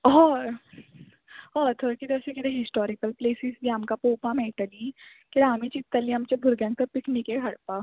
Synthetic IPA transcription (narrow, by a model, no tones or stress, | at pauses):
ɔːɾ | ɔːt̪ʰoɾkid̪ɐsekid̪eɦɪsʈɔːɾɪkəlpleːsɪzbiɦɐmkapoːpamɛ̃ːʈəli | keɽaːmit͡ʃit̪ːɐliɐmt͡ʃebʱʊɾɡɛ̃ːŋɡ̚t̪ɐpɪkʰnikeɡʰʱɐɽpaː